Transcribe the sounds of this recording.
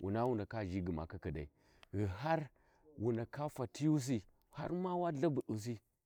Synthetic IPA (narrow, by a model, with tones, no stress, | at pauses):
wʔṵ˨na˦wu˨na˨ka˦˨ʒi˦ɡi˨ma̰˨ka˦kə˨da̰˨ḭ˨ | ɣi˨ɦa˦ɾ | wu˨na˨ka˦fa˨ti˦ju˦s̬i˦˨ | ha̰˦ɾma˦wa˦ɮa˦bu˨ɗu˨s̬i˦